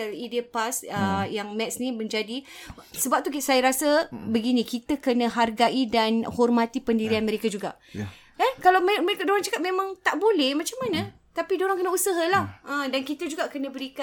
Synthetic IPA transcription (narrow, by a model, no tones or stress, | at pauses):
əlidepasəjaŋmɛt̪sniməɲd͡ʒadisəbap̚t̪ukisajəɾasəbəɡinikit̪əkənə̃ɦarɡaʔidanhɔrmat̪ipəndiɾianməɾekad͡ʒuɡa̰ | akalawmmekdoɾaŋt͡ʃakat̪̚mẽmãŋt̪aʔbolɛhmat͡ʃamːanə | t̪apidoɾaŋkənəusəɦalahədankit̪əd͡ʒuɡakənə̃bəɾika